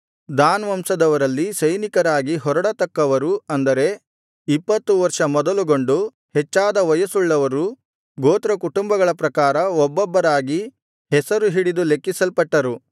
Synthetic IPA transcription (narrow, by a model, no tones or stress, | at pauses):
d̪aːnʋɐmsɐd̪ɐʋɐɾɐlːisɐjnikɐɾaːɡiɦɔɾɐɽɐt̪ɐkːɐʋɐɾuɐnd̪ɐɾe̞ | ipːɐt̪ːuʋɐɾʂɐmɔd̪ɐluɡo̞ɳɖu | hɛt͡ʃːaːd̪ɐʋɐjɐsuɭːɐʋɐɾu | ɡoːt̪ɾɐkuʈumbɐɡɐɭɐpɾɐkaːɾɐɔbːɔbːɐɾaːɡi | ɦɛsɐɾuɦiɽid̪ulekːisɐlpɐʈːɐɾu